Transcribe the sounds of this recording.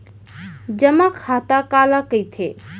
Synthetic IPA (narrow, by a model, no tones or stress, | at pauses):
d͡ʒəmakʰat̪akalakəjt̪ʰe